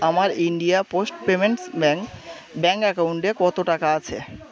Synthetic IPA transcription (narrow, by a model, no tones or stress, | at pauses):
amaɾiɳɖijaposʈpemeɳʈsbɛŋk | bɛŋkɛkawɳʈekɔt̪oʈakaat͡ɕʰe